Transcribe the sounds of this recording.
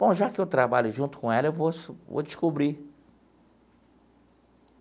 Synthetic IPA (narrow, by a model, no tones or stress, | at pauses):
b̥õw̃ʒakɪewt̪ɾabaʎʊʒũnt̪ʊ̥kõɛlɐewvosvo̰d͡ʒɪʃkubɾi